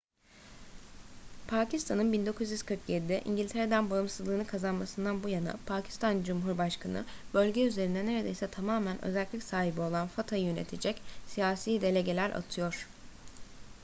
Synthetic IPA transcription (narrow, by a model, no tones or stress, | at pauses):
pʰaːcʰist̪ʰanɯnbind̪o̞kʰuzjyz̥kʰɯɾkjed̪d̪iʔḭɲɟilʲt̪ʰe̞ɾe̞d̪ænbaɯmsɯzlˠɯːnɯkʰazanmasɯnd̪anbujanɯ̰pʰaːcʰi̥st̪ʰand͡ʒumɦuɾbaʃkʰanɯ̰bø̞lʲɟɛyzeɾind̪ɛne̞ɾe̞d̪e̞jsɛt̪ʰamaːmænʔø̞̰zælʲlʲicsaːɦibio̞lˠanfat̪ʰajjøne̞̰t̪ʰed͡ʒɛcsijaːsiːd̪e̞lʲe̞ɟe̞lʲæɾʔa̰t̪ʰɯjo̞ɾ̥